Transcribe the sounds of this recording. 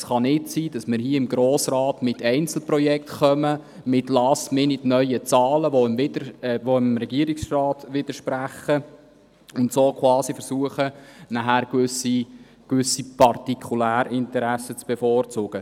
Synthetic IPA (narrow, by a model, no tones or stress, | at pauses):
sχɑnɪtsiːd̥ɑsmɪɾɦiəɪmɡɾoːsrɑːtmɪtɛɪnt͡sl̩pɾɔjɛktχœmə | mɪtlɑːsmɪnɪtnœʏət͡sɑːləʋoɪmvɪdəʋoɪmɾɛɡiəɾiksrɑːtʋɪd̥əɾʃpɾæχːə | ʊntsoːkʰwɑːsifɛɾsuəχənæɦæːɾkøsi | kʋʏsipɑrtikʰulæːɾɪntəɾæsət͡sb̥ɛfoːrt͡sʊɡ̥ə